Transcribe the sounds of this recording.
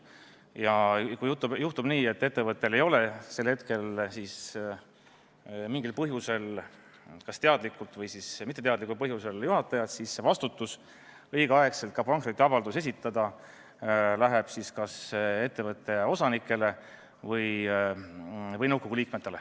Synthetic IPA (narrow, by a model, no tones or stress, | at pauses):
jɑkujut̪ːubjuht̪ub̥niːe̞t̪ːˑe̞t̪ːevɤt̪ːˑe̞le̞jo̞le̞se̞lhe̞t̪ke̞lsiːs | miŋɡ̥ilpɤɦjuse̞l | kɑst̪eɑd̪likˑːult̪vɤjsismit̪ːˑet̪eɑd̪likːˑulpɤɦjuseljuɦɑt̪ːˑɑjɑt̪sisːe̞vɑst̪ut̪ːˑus | ɤjɡ̥ɑɑe̞kse̞lt̪̚kɑpɑŋkrit̪ːˑeɑvɑld̪use̞s̬ʲit̪ːˑɑd̪̥ɑ | læɦeb̥siskɑse̞t̪ːe̞vɤt̪ːˑe̞o̞sɑnikːˑe̞le̞ | vɤj | vɤjnɤwɡ̥oɡ̥uliːk̚met̪ːˑe̞le̞